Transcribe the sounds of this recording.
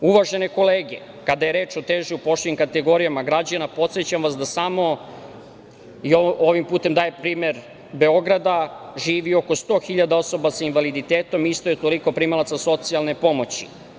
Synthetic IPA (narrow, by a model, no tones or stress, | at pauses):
uʋaʒe̞ne̞ko̞leːɡe̞̰ | kad̪aje̞ɾe̞ːt͡ʃot̪eːʒiupo̞ʃt̪eɲimkat̪e̞ɡo̞ɾijamaɡɾad͡ʑanapo̞t̪set͡ɕamʋasd̪asamo̞ | iooʋimpuːt̪e̞md̪aːjepɾiːme̞ɾ | be̞o̞ɡɾad̪aʒiːʋio̞ko̞st̪o̞ːxiʎad̪ao̞so̞basainʋalid̪it̪eːt̪o̞mist̪ojet̪o̞liko̞pɾimalat̪saso̞t̪sialˠnepo̞mo̞t͡ɕḭ